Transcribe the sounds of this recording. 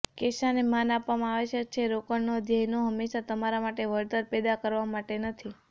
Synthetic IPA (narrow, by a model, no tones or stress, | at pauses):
keʃanemanapʋamãaʋeʃək̚t͡ʃʰeɾokəɳnod̪ʱjəɦnoɦəmːeʃat̪əmaɾamaʈeʋəɾt̪əɾpɛd̪akəɾʋamaʈenət̪ʰi